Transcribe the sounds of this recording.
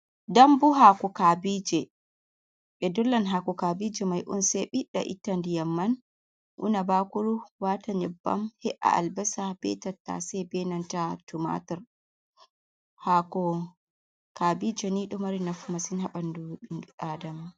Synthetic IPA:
dambuɦakɔkaːbid͡ʒɛ | ɓɛdɔlːanɦakɔkabid͡ʒɛmajʔṵnsɛɓiɗa̰ʔḭtːandijamːan | ʔṵnabakuɾuwataɲɛbːa̰mhɛʔa̰ʔa̰lbɛsabɛ̰tatːa̰sɛjbɛnantatuma̰tɔɾ | hakɔ | kaːbid͡ʒɛniɗɔmaɾinafumasinhaɓanduɗaːdama

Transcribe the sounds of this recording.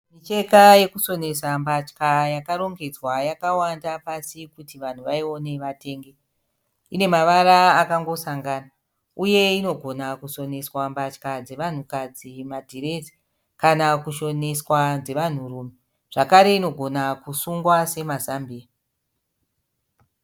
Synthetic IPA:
mit͡ʃe̞kaje̞kuso̞ne̞sambat͡ʃkajakaɾo̞ŋɡe̞d͡zwajakawandapasikutiʋan̤uʋaio̞ne̞ʋate̞ːŋɡe | ine̞maʋaɾaːkaŋɡo̞saŋɡaːna | uje̞ino̞ɡʱo̞nakuso̞ne̞swambat͡ʃkad͡ze̞ʋan̤ukad͡zimadʱiɾe̞d͡zi̥ | kanakuʃo̞ne̞swad͡ze̞ʋan̤uɾuːme | ʐ̥akaɾe̞ino̞ɡʱo̞nakusuŋɡwase̞mazambiːa

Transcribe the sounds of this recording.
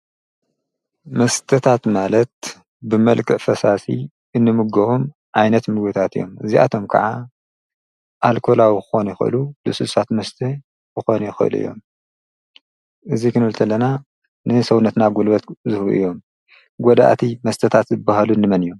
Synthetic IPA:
mɐst̪ʰɐt̪ʰat̪malɐt̪̚ | bɨmɐlkʰʼɨʔfɐsasḭ | ɨnːɨmɨɡɐhum | ʕajnɐt̪mɨɡbɨt̪ʰat̪ɨjːo̞̰mɨ̰ziʔa̰t̪ʰo̞mkʰɐ̰ʕa | ʔalkʰo̞lawixɨ̥xo̞nɐjɪxɨʔɨ̰lulɨsɨsat̪mɐst̪ʰɐ | bɨxo̞nɐjɪxɨʔɨ̰lṵʔɨ̰jːo̞̰m | ʔɨzikʰɨnɨlt̪ʰɐlːɐna | nɨsɐwnɐt̪naɡulbɐt̪zɨhuʔɨ̰jːo̞m | ɡɔd̪a̰ʔt̪ʰimɐst̪ʰɐt̪ʰat̪zɨbːahalunːɨmɐnijo̞m

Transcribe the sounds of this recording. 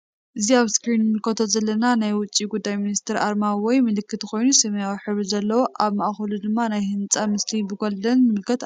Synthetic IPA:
ʔɨziaβskɾinɨmɨlkʰɐt̪ʰozɐlːɐnanajwʊt͡sʼiɡud̪ːajminist̪ʰɨɾʔaɾmawɔjmɨlɨkːɨt̪kʰo̞jnusɨmɐjawiħɨβɾɨzɐlːɐwoʔaβmaʔxɐlud̪ɨmːanajhɨnt͡sʼamɨslibɨɡold̪ɐnmɨɨlkʰɐt̪

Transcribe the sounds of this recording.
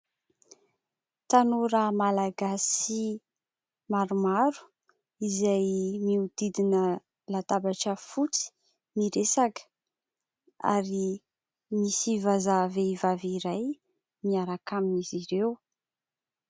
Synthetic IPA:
t̪anuɾamalaɡasi | maɾumaɾu̥ | izajmiud̪̥id̪inə | lat̪abaʈ͡ʂəfut͡si̥ | miɾesakə̥ | a̰ɾi | misivazaveivaviɾaj | miaɾakaminiziɾew

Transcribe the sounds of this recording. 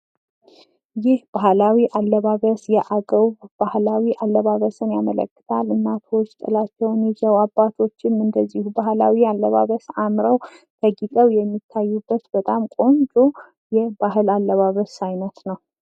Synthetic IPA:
jɪhb̥ahlawiʔalːəβaβəsjɛʔaɡʼəβbahlawiʔalːəβaβəsɨnjamələ̰kːɨ̥t̪ʰalɨnːat̪ʰot͡ʃːt̪ʼɨ̰lat͡ʃːɛwnɛzəwabːat̪ʰo̞t͡ʃːɪmɨnd̪əzːihubahlawialːəβa̰βəsamɾəwt̪ʰəɡikʼəwjɛmːit̪ʰːajːubːət̪bət̪ʼamkʼo̞nd͡ʒo | jɛbaɦɨlalːəβaβəsajnət̪nəw

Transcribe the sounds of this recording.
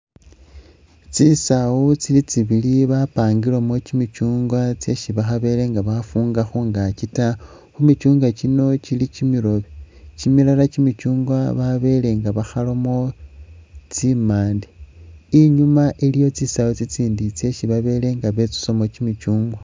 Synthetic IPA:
t͡sisawut͡silit͡siβiliβapaːŋɡilomocimit͡ʃuːŋɡwat͡sje̞ʃiβaxaβe̞le̞ŋɡaβafuːŋɡaxuŋɡacita | xumit͡ʃuːŋɡacino̞t͡ʃilicimiɾo̞βe | cimilalat͡ʃimit͡ʃuːŋɡwaβaβe̞le̞ŋɡaβaxalo̞mo̞ | t͡simaːndiiɲumaʔilijo̞t͡sisawut͡sit͡siːndit͡sje̞ʃiβaβe̞ːle̞ŋɡaβe̞t͡su̥so̞mot͡ʃimit͡ʃuːŋɡwa

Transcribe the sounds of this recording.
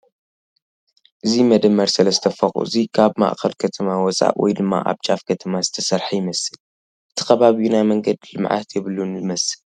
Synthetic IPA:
ʔɨzimɐd̪ɨmːɐɾsɐlɐst̪ʰɐfɐχʼṵɨzikʰaβma̰ʔkʰɐlkʰɐt̪ʰɐmawɔt͡sʼa̰ʔwɔ̰jd̪ɨmːa̰ʔa̰βt͡ʃʼafkʰɐt̪ʰɐmazɨt̪ʰɐsɐɾħajɪmɐsɨl | ʔɨt̪ʰi̥kʰɐβaβijunajmɐŋɡɐd̪lɨmʕa̰t̪ʰjɛβɨlunɨmɐsɨl

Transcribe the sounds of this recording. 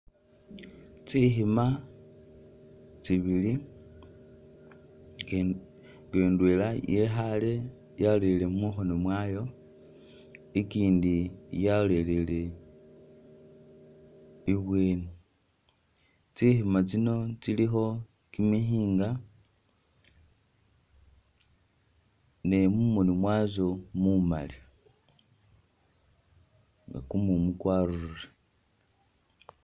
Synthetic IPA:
t͡sixima | t͡siβili | keːndweːlajexale̞ | jalele̞muxonomwajo̞ | ikiːndijale̞lele̞ | iβweːni | t͡sihimat͡sino̞t͡silixo̞ | kimihiːŋɡa | ne̞mumunimwaːzo̞muma̰li | ŋɡa̰kumumukwaːɾuɾuɾe

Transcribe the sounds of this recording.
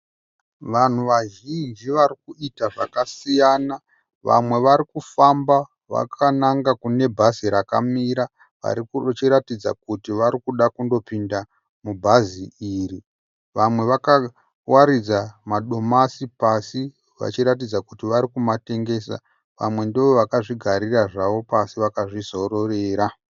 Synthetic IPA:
ʋan̤uʋaʒind͡ʒiʋaɾikuitaʐakasijaːna | ʋa̰mwe̞ʋaɾikufamba | ʋa̰kʰanaŋɡakune̞bʱaziɾaka̰miɾa | ʋa̰ɾikt͡ʃiɾatid͡za̰kutiʋaɾikuɗakundo̞pinda | mubʱaziiri | ʋamwe̞ʋaka | waɾid͡zamaɗo̞masipasi | ʋa̰t͡ʃiɾat̬id͡zakutiʋaɾikumate̞ŋɡe̞ːsa̰ | ʋa̰mwe̞ndiʋoʋakaʐiɡʱaɾiraʐaʋo̞pasiʋakaʐizo̞ɾo̞re̞ːɾa

